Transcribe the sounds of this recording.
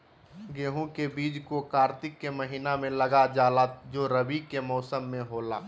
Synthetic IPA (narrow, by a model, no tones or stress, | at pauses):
ɡeːɦũkebiːd͡ʒkokaːɾt̪ɪkːeməɦiːnamẽləɡad͡ʒaːlad͡ʒoːɾəbikemɔːsəmːẽɦoːlaː